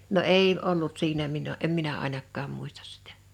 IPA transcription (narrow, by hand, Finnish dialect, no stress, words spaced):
no eˑi olːut siːnæ minə em minæ ɑˑinɑkːɑːm muistɑs sitæ̥